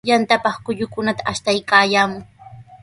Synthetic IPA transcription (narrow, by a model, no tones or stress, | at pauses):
jant̪apɑχkʊʎʊkʊnat̪ḁʔaʃt̪ajkaːjaːmʊ